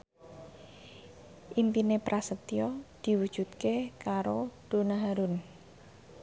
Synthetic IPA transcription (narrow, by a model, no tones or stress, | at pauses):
ʔimpinepɾasət̪iɔd̪̥i̤wud̥ʒ̥ṳt̪̚kekaɾoɖ̥o̤naɦaɾʊn